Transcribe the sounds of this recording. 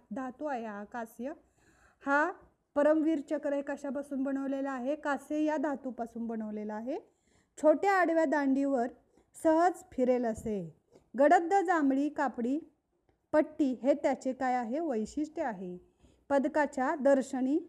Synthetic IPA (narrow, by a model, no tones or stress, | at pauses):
d̪ʱat̪uaɦeɦakasjə | ha | pəɾəmʋiːɾt͡ɕəkɾəjkəɕap̬asuːnbəɽ̃əʋlelaaɦekasejad̪ʱat̪upasuːnbəɽ̃əʋleləaɦe | t͡ɕʰoʈjaːɽʋjad̪aɳɖiʋəɾ | səɦəd͡zpʰiɾeləse | ɡəɽəd̪ːəd͡zamɭiːkapɽiː | pəʈːiːɦet̪jat͡ɕekajaɦeʋəjɕiʂʈeaɦe | pəd̪kat͡ɕjad̪əɾɕəɳ̃iː